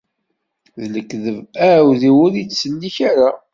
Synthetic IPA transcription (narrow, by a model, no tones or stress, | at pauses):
ðləkːðəvæwðiwʊɾit͡sːsənːiçaɾa